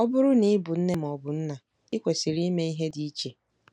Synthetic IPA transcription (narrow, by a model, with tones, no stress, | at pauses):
ɔ˦bʊ˦ɾʊ˦ni˦bʊ˨n̩˦ne˦m˨ɔ˨bʊ˨n̩˦na˨ | i˦kʷe˨si˨ɾi˦me˦i˦ɦe˦di˨˦i˦t͡ʃe˨